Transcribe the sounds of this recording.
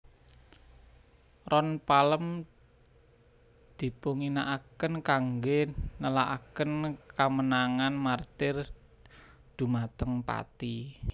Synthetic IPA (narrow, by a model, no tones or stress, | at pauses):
rɔnpaləm | d̪̥i̤puŋinaʔakənkaŋɡenəlaʔa̰kənkamənaŋanmart̪ɪr | d̪̥ṳmat̪əŋpa̰t̪i